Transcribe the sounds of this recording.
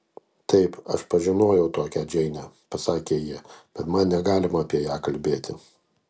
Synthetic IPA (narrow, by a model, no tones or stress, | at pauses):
t̪ɐɪpɐ̰ʃpɐʒʲɪnoːjɛʊt̪oːkʲæd͡ʒʲɛɪnʲæ | pɐsɑːkʲeːjiɛb̥ʲɛt̪mɐnnʲɛɡɑːlʲɪmɐɐpʲiɛjæːkɐlʲbʲeːt̪ʲɪ